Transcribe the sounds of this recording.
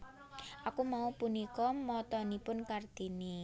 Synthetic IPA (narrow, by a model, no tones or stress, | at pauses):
ʔakumaupunikɔmɔt̪ɔnipʊnkard̪̥i̤ni